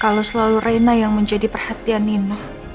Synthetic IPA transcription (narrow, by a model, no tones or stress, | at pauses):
kalosəlalurajnajaŋməɲd͡ʒadipərhat̪ianinɔh